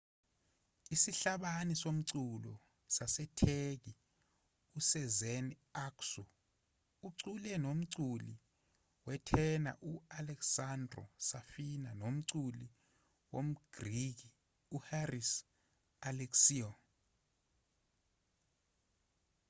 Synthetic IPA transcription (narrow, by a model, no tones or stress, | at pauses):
isiɬaɓanisom̩ǀulɔ | sasɛtʰek̬i | usɛzɛn | aksɔ | uǀulɛnom̩ǀuli | wɛtʰɛna̰ʔualɛksandʱrɔ̰safinanom̩ǀuli | wom̩ɡ̥rik̬i | uharis | alɛksiɔ